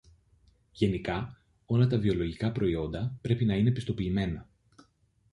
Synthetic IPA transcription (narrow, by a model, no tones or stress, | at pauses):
ʝe̞nikɐ | o̞lɐt̪ɐvio̞lo̞ʝikɐpɾo̞io̞nd̪ɐpɾe̞pinɐine̞pist̪o̞piːme̞nɐ